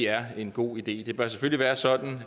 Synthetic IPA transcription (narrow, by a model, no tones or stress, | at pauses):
æɐe̝nɡ̥o̝̰ːid̥e̝̰ːd̥e̝b̥ɶɐs̬eføl̰iʋæːɐsɒ̽d̥n̩